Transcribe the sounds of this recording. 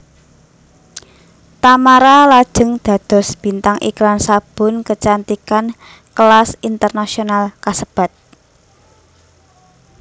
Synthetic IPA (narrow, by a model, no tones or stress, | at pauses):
t̪amaɾalad̥ʒ̥ə̤ŋd̪̥ä̤d̪̥ɔ̤sb̥i̤nt̪aŋʔikɾansab̥ʊ̤nkət͡ʃant̪ikan | kəlasint̪ərnasionalkasəb̥a̤t̪̚